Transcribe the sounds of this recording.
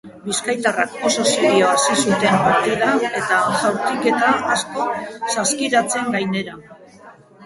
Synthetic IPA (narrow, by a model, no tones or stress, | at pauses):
biskajt̪arak̚o̞sasiɾioasisut̪e̞mpaɾt̪iðawe̞t̪axawɾt̪ike̞t̪aasko̞saskiɾat͡se̞ŋɡajne̞ɾa